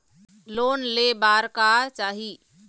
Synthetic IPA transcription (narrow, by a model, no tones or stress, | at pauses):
loːnlebaːɾkaːt͡ʃaːɦiː